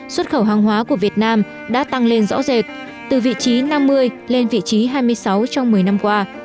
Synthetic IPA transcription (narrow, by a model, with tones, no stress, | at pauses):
swə˦˥t̚xə˧˩wɦaː˨˧˩ŋɦwaː˨˦ku˧˩əvi˨˩ət̚naː˧m | ɗa̰ː˧˥t̪a˧ŋle˧nzɔ̰˧˥ze˨˩t̚ | t̪ɨ˨˩vḭ˧˨t͡ɕi˨˦na˧mːɨ˧əjle˧nvḭ˧˨t͡ɕi˨˦ɦaː˧jmɨ˧əjsa˨˦wt͡ɕɔ˧wŋ͡mmɨ˨˩əjna˧mkwaː˧